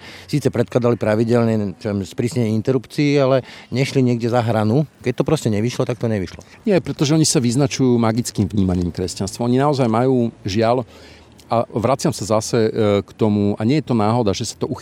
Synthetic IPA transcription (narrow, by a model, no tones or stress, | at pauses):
siːt͡sɛpɾɛt̪̚klad̪alipɾaʋiɟɛlɲɛt͡ʃɔɛmspɾiːsɲɛɛint̪ɛɾupt͡siːalɛɲɛʃliɲɪɛɡɟɛzaɦɾanukɛc̚t̪ɔpɾɔscɛɲɛʋiʃlɔt̪ak̚t̪ɔɲɛʋiʃlɔ̰ | ɲɪɛpɾɛt̪ɔʒɛɔɲisaʋiznat͡ʃujuːmaɡit͡skiːmvɲiːmaɲiːmkɾɛscanst̪ʋaɔɲinaɔzajmajuːʒɪal | ʔaʋɾat͡sɪamsazasɛkt̪ɔmuaɲɪɛjɛt̪ɔnaːɦɔd̪aʒɛsḁt̪ɔux